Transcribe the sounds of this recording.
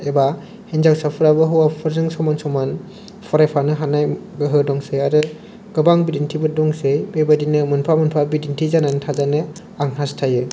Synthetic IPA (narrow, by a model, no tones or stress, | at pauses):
eba | henzawsapʰɯɾabɯɦɯwapʰɯɾzɯŋsɔmansɔman | pʰɔɾajpʰanɯɦanaj | ɡɯɦɯdɔŋsejaɾɯ | ɡ̥ɯbaŋbidintʰibɯdɔŋsejbebadinɯmɯnpʰamɯnpʰabidintʰizanantʰazanɯ | aŋɦastʰajɯ